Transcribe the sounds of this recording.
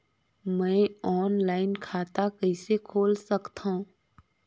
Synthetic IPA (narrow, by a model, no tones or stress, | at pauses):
mɛ̃ːɔːnlaːɪnkʰaːt̪akəɪsekʰoːlsɐkt̪aɦũː